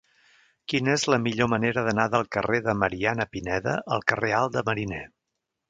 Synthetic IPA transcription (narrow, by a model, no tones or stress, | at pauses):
kinəezləmiʎoməneɾəðənaðəlˠkəreðəməɾianəpinɛðə̰ʔəlˠkərealˠd̪əməɾinɛ